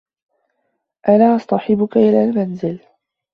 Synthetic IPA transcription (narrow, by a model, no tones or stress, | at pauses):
ʔanaːʔɑsˤt̪ˤɑħɪbʊkaʔɪlaːlmanzɪl